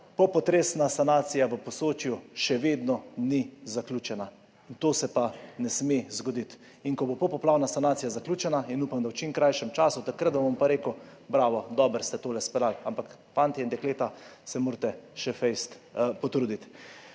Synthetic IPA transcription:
pɔpɔt̪ɾeːsnasanaːt̪sijaʋəpɔsoːt͡ʃjuʃɛʋeːd̪nɔnizakluːt͡ʃɛna | int̪oːsɛpanɛsmezɡɔd̪it̪ | iŋkɔbopɔpɔplaːwnasanaːt̪sijazaklʲuːt͡ʃɛnainupamd̪awt͡ʃimkɾajʃɛmt͡ʃaːsut̪akɾat̪̚dbaʋɔmpaɾeːkəʊ | bɾaːʋɔd̪ɔːbəɾst̪ɛt̪oːlɛspɛd̪alampak | fant̪iɛind̪ɛkleːt̪asɛmoːɾt̪ɛʃɛfɛjst̪pɔt̪ɾuːd̪it̪

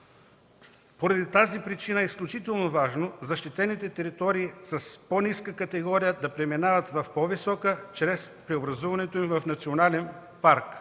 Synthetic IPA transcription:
poɾɐd̪it̪azipɾit͡ʃinəɛisklʲut͡ʃit̪ɛlˠnovaʒnozɐʃt̪it̪ɛnit̪ɛt̪ɛɾit̪ɔɾiːsɐsponiskəkɐt̪ɛɡɔɾijəd̪ɐpɾɛminavɐt̪vɐfpɔvisɔkət͡ʃɾɛspɾɛobɾɐzuvɐnɛt̪oimvɐfnɐt̪sionalɛn | paɾk

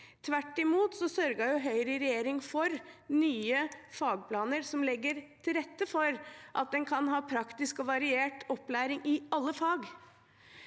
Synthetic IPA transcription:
t̪ʰʋæʈːɪmuːt̪sɔsœɾɡɑjʊɦœʏɾəɾɛjeːɾɪŋfɔɾnyːəfɑːɡ̚pʰlɑːnəɾsɔmlɛɡːəɾt̪ʰɪlɾɛt̪ːəfɔɾʔɑ̰t̪̚d̪ɛnkʰɑnɦɑːpʰɾɑkt̪ɪskɔʋɑɾɪeːʈɔpːlæːɾɪŋɪɑlːəfɑːɡ

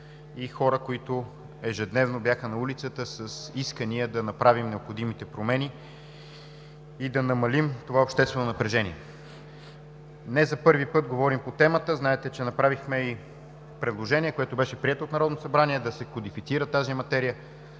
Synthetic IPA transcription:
ixɔɾəkoit̪o | ɛʒɛd̪nɛvnobjaxənɐulit̪sət̪əsəsiskəniəd̪ɐnɐpɾavimnɛopxod̪imit̪ɛpɾomɛni | id̪ɐnɐmɐlimt̪ovaopʃt̪ɛst̪vɛnonɐpɾɛʒɛniɛ | nɛzɐpɤɾvipɤt̪̚ɡovɔɾimpot̪ɛmət̪əznaɛt̪ɛt͡ʃɛnɐpɾavixmɛi | pɾɛd̪lˠoʒɛnʲiɛkoɛt̪obɛʃɛpɾiɛt̪ot̪nɐɾɔd̪nosɐbɾaniɛd̪ɐsɛkod̪ifit̪siɾət̪azimɐt̪ɛɾijə

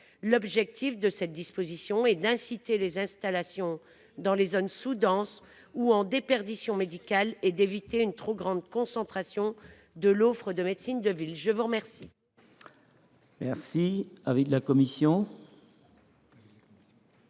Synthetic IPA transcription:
lɔbʒɛk̚t̪ʰifd̪əsɛt̪̚d̪ispozisjɔ̃ɛd̪ɛ̃sit̪elezɛ̃st̪alasjɔ̃ | d̪ɑ̃lezonsud̪ɑ̃s | uɑ̃d̪epɛʁd̪isjɔ̃med̪ikalɛd̪evit̪eynt̪χoɡʁɑ̃d̪kɔ̃sɑ̃t̪χasjɔ̃ | d̪əlofχəd̪əmed̪sind̪əvilʒəvuʁəmɛʁsi | mɛʁsiaviklakɔmisjɔ̃

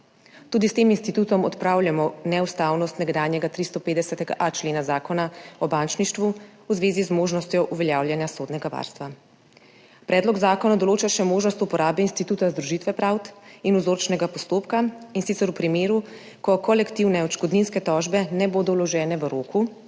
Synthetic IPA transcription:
t̪uːd̪ist̪eːminst̪it̪uːt̪ɔmɔ̰t̪pɾaːwljamɔnɛust̪aːwnɔst̪nɛɡd̪aːnjɛɡat̪ɾist̪ɔpeːd̪ɛsɛt̪ɛɡa̰ʔat͡ʃleːnazaːkɔnaɔbant͡ʃniʃt̪ʋuuzʋeːzizmoːʒnɔst̪jɔʔuʋɛljaːwljanjasoːd̪nɛɡaʋa̰ɾst̪ʋa | pɾɛːd̪lɔɡzaːkɔnad̪ɔloːt͡ʃaʃɛmoːʒnɔst̪upɔɾaːbɛinst̪it̪uːt̪azd̪ɾuʒit̪ʋɛpɾawt̪inuzoːɾt͡ʃnɛɡapɔst̪oːpkainsit̪sɛɾupɾimeːɾu | kɔkɔlɛkt̪iwnɛɔt͡ʃkɔd̪ninskɛt̪ɔʒbɛnɛboːd̪ɔwlɔʒɛːnɛʋəɾoːkʰu

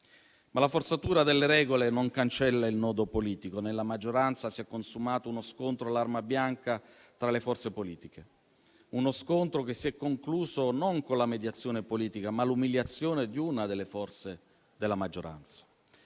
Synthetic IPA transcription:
malafort̪sat̪uːɾad̪elːeɾɛːɡolenoŋkant͡ʃɛlːailnɔːd̪opoliːt̪ikonelːamad͡ʒːoɾant̪sasiɛkːonsumaːt̪ounoskont̪ɾoalːarmabjaŋkat̪ɾalefɔrt̪sepoliːt̪ikʰe | unoskont̪ɾokesːiɛkːoŋkluːzonoŋkonlamed̪jat̪sːjoːnepoliːt̪ikamalumiljat̪sːjoːned̪iunad̪elːefɔrt̪se | d̪elːamad͡ʒːoɾa̰nt̪sḁ

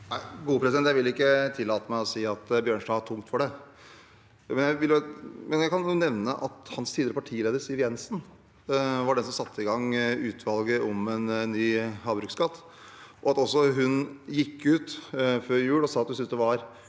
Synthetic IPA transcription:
æɪɡuːəpʰɾɛsɪd̪ɛnjæɪʋɪlːɪkːət̪ʰɪlːɑːt̪əmæɪɔsiːɑt̪bjøːɳʂɖɑːʋɑʈʰʊŋt̪fɔɖɛ | mɛnjæɪʋɪljʊmɛnjæɪkɑnuːnɛʋnəʔɑt̪hɑnst̪ʰiːd̪ɾəpɑʈʰiːleːd̪əɾsɪʋjɛnsn | ʋɑɖɛnsɔmsɑt̪ʰːəɪɡɑŋːʉːt̪ʰʋɑlɡəʔɔmɛnːyːɦɑːbɾʉːkskɑt̪ː | ʔɔɑt̪ɔsːɔɦʉnjɪkːʉːt̪føːɾjʉːlɔsɑːɑt̪hʉnsʏnsd̪ɛʋɑɾ

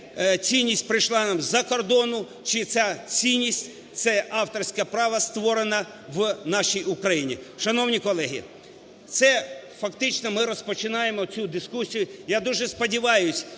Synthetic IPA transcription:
t͡sʲijnʲːisʲtʲpɾɪjʃlˠɑnɑmzɐkɔrd̪ɔnʊ | t͡ʃɪt̪sʲat͡sʲijnʲisʲtʲ | t̪sɛɑwt̪ɔrsʲkɐpɾɑʋɐst̪ʋɔɾenɐ | ʋnɑʃʲijʊkɾɐjinʲḭʃɐnɔwnʲikɔlˠɛɦʲḭ | t̪sɛfɐkt̪ɪt͡ʃnɔmɪɾɔspɔt͡ʃɪnɑjemɔt͡sʲud̪ɪskusʲijʊjad̪uʒɛspɔdʲiʋɑjʊsʲ

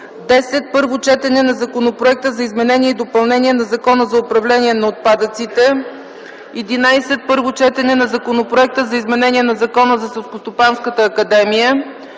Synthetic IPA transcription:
d̪ɛsɛt̪̚pɤɾvot͡ʃɛt̪ɛnɛnɐzɐkonopɾoɛk̚t̪əzɐizmɛnɛniɛid̪opɐlˠnɛniɛnɐzɐkɔnəzɐopɾɐvlɛnʲiɛnɐot̪̚pad̪ət̪sit̪ɛ | ɛd̪inajsɛt̪̚pɤɾvot͡ʃɛt̪ɛnɛnɐzɐkonopɾoɛk̚t̪əzɐizmɛnɛniɛnɐzɐkɔnəzɐsɛlˠskost̪opanskət̪əːkɐd̪ɛmijə

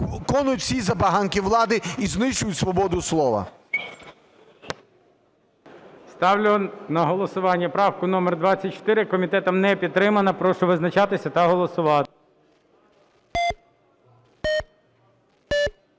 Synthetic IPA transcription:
kɔnʊtʲsʲizɐpɐɦɑnkʲiʋlˠɑd̪ɪiznɪʃt͡ʃʊjʊtʲsʋɔbɔd̪ʊslˠɔʋɐ̰ | st̪ɑwlʲʊnɐɦɔlˠɔsʊʋɑnʲːɐpɾɑwkʊnɔmɛrd̪ʋɑt͡sʲːɐt̚ʲt͡ʃɔ̥t̪ɪɾɪkɔmʲit̪ɛt̪ɐmnɛpʲid̪̚t̪ːɾɪmɐnɐpɾɔʃʊʋɪznɐt͡ʃɑt̪ɪsʲɐt̪ɐɦɔlˠɔsʊʋɑt̪ɪ

